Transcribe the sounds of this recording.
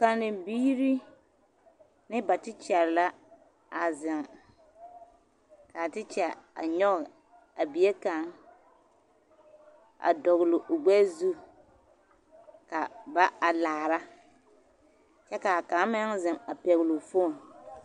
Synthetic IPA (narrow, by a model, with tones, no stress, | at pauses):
ka˨nɪ˨biː˦ɾi˦ | nɪ˦ba˨tɪ˦t͡ʃɛ˨ɾɪ˨la˦ | a˨zɪ˨ŋ | ka˨tɪ˦t͡ʃɛ˨a̰˨ɲɔ˦ɣ | a˨bi˨e˦ka˨ŋ | a̰˨dɔ˨ɣlʊ˨ʔʊ˨ɡ͡bɛ˦zu˦ | ka˨ba˦a˨laː˨ɾa˦ | t͡ʃɛ˦ka˨ka˨˦mɪ˦ŋzɪ˨ŋa˨pɛ˨ɣɪ˨lʊ˨fo˦˨n